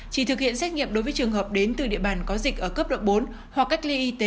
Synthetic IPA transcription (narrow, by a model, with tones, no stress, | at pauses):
t͡ɕi˧˩t̪ʰɨ˨˩k̚hḭ˧˨ənsɛ˦˥t̚ŋḭ˧˨əmɗo˨˦jvəː˨˦t͡ɕɨ˨˩ŋɦəː˨˩p̚ɗe˨˦nt̪ɨ˨˩ɗḭ˧əɓaː˧˩nkɔ˨˦zï˨˩k̚ʔəː˧˩kəː˦˥p̚ɗo̰˧˨wŋ͡mɓo˨˦n | hwa˨˩kːa˦˥k̟̚li˧ʔi˧t̪e˨˦